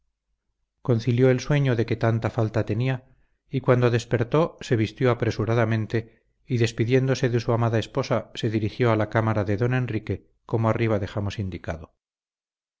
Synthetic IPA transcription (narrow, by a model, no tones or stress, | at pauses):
ko̞nθiljo̞elswe̞ɲo̞ðe̞ke̞t̪ant̪afalt̪at̪e̞nia | ikwand̪o̞ðe̞spe̞ɾt̪o̞se̞βist̪joapɾe̞suɾaðamẽnt̪e̞ | iðe̞spiðje̞nd̪o̞se̞ðesuamaðaespo̞sase̞ðiɾixjo̞alakamaɾaðeðo̞ne̞nrike̞ | ko̞moariβ̞aðe̞xamosind̪ikaðo